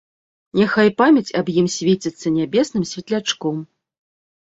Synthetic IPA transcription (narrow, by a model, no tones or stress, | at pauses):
nʲaxajpamʲɐt͡sʲɐbjimsʲvʲet͡sʲit̪sːɐnʲabʲɛsnɨmsʲvʲɛt̪lʲat͡ʂkɔm